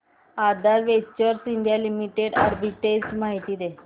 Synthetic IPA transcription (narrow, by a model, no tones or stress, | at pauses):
ad̪alʋet͡ɕəɾsind̪ʱjalimiʈeɽa̰ɾbiʈed͡ʑmaɦit̪iːd̪e